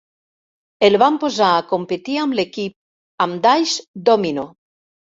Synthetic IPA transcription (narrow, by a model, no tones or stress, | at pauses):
elβampozaːkompet̪iamlekip̚ | amd̪ajʃd̪omino